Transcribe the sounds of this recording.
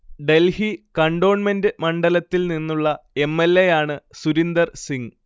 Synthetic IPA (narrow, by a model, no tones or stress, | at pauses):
ɖe̞lhikɐɳɖo̞ːɳme̞ndɨmɐɳɖɐlɐt̪ːilninːuɭːɐe̞mːelːejaːɳɨsuɾind̪ɐrsiŋ